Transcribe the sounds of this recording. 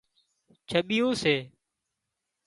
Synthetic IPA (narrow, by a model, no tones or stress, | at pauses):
t͡ʃʰəɓɪjõːseː